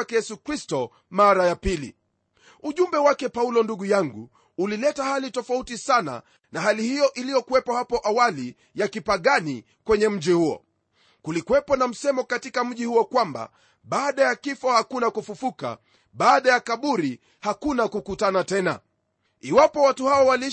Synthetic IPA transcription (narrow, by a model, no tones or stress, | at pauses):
kɛjɛsukɾistɔ | maɾajapilḭ | uʄumbɛwakɛpaulɔnduɠujaŋɡṵː | lilɛtahalitɔfautisana̰ | naɦalihijɔʔilijɔkuwɛpɔhapɔʔawali | jakipaɠani | kwɛɲɛm̩ʄihuɔ̰ | kulikuwɛpɔnam̩sɛmɔkatikam̩ʄihuɔkwamba̰ | ɓaːɗajakifɔhakunakufufuka̰ | ɓaːɗajakaɓuɾi | hakunakukutanatɛna̰ | iwapɔwatuhaɔwali